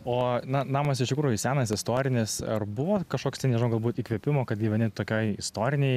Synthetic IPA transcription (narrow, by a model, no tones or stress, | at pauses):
oːnɐnɑːmɐsɪʃt̪ʲɪkɾuːjʊsʲæːnɐsɪst̪oːɾʲɪnʲɪsɐ̰rbʊʋoːkɐʃkoːkst̪ʲɛnʲɛʒɪnoːɡɐlˠbuːt̪iːkʋʲɛpʲɪmoːkɐt̪ɡʲiʋʲɛnʲɪmt̪oːkʲoːjɪst̪oːɾʲɪnʲɛj